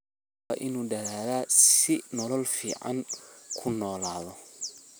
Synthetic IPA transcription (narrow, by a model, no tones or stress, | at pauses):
ɐʔɪnuːd̪ɐðaːðaːsɪnɔlɔlfḭːʕɑ̰ŋkʰʊnɔːlaːðɔ